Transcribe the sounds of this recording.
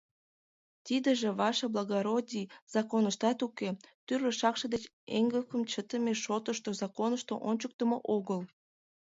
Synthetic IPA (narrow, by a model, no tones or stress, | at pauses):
t̪id̪əʒeβɑʃɑblɑɣoɾodʲiz̥ɑkonəʃt̪ɑt̪uket̪yrləʃɑkʃəd̪et͡ɕ | ḛŋɡəkəmt͡ɕət̪əmeʃot̪əʃt̪ozɑkonəʃt̪oʔonʲt͡ɕək̚t̪əmoʔoɣəl